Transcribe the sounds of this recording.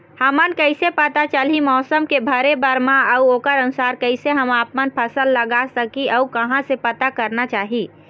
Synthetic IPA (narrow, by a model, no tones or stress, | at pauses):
həmənkəɪsepət̪at͡ʃəlimɔːsəmkebʱəɾebəɾmãəuoːkəɾənʊsaːɾkəɪseɦəmaːpmənpʰəsəlːəɡasəkiʔəukəɦãsepət̪akəɾnat͡ʃaːɦi